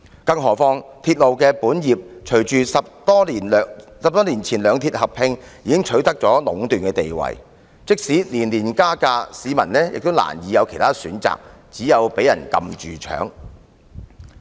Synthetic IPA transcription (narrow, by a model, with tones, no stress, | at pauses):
kɐ˧ŋɦɔː˨˩fɔː˧ŋt̪ʰiː˧t̚lo˨wkɛː˧puː˨˥njiː˨p̚t͡ʃʰɵ˨˩ɥt͡ʃyː˨sɐ˨p̚t̪ɔː˥li˨˩nː˨˧sɐ˨p̚t̪ɔː˥liː˨˩nt͡sʰiː˨˩nlœː˨˧ŋt̪ʰiː˧t̚hɐ˨p̚hɪ˧ŋjiː˨˥kɪ˥ŋt͡ʃʰɵ˨˥ɥt̪ɐ˥k̚t͡sɔː˨˥lʊ˨˥ŋt̪yː˨˩nkɛː˧t̪e˨jwɐ̰˨˩j | t͡sɪ˥k̚siː˨˥liː˨˩nliː˨˩nkaː˥kaː˧siː˨˧mɐ˨˩nlɛː˥jɪ˨k̚t̪o˥wla̰ː˨˩njiː˨˧jɐ˨˧wkʰe˨˩jt̪ʰaː˥syː˨˥nt͡sa̰ː˨k̚t͡siː˨˥jɐ˨˧wpe˨˥jɐ̰˨˩nkɐ̰˧mt͡ʃyː˨t͡ʃʰœ̰ː˨˥ŋ